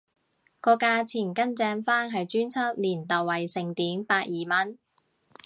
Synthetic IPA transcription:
kɔː˧kaː˧t͡sʰiː˨˩nkɐ˥nt͡sɛː˧ŋfaː˥ŋɦɐ˨jt͡ʃyː˥nt͡sʰɐ˥p̚liː˨˩nt̪ɐ˨wɐ˨jsɪ˨˩ŋt̪iː˨˥npaː˧t̚jiː˨mɐ˥n

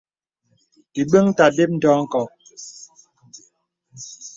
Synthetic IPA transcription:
ti˨ɓə˦ŋta˨de˦p̚n̩˦dɔː˦ŋ̩˦kɔ˨

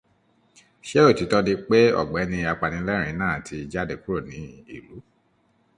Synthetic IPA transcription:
ʃe˦o˦˨ti˨˦tɔ˧nĩ˧k͡pe˦ɔ̰˦˨ɡ͡bɛ˨˦nĩ˧a˧k͡pa˨nĩ˨˦lɛ˦ɾ̃ĩ˨˦nãː˦˨tʰi˧˨d͡ʒa˦de˦˨ku˦ɾo˦˨nĩ˨˦ḭ˦˨lu˨˦

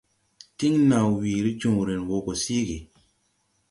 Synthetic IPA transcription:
ti˦ŋnã˨wwi˨ɾi˦t͡ʃũ˨ŋ˨ɾe˨nwo˨ko˨si˦ɡe˨

